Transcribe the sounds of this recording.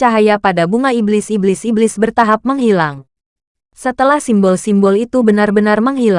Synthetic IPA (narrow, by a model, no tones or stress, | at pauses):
aɦajapadabuŋaiblɪsiblɪsiblɪsbərt̪aɦap̚məŋhilaŋ | sət̪əlahsimbɔlsimbɔlit̪ubənarbənarməŋɦil